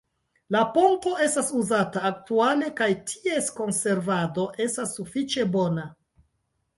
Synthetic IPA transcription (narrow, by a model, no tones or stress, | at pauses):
lapo̞ŋko̞e̞stasuzataːk̚tuale̞kajtʰie̞sko̞nse̞ɾvado̞ʔe̞stasːufit͡ʃe̞bo̞na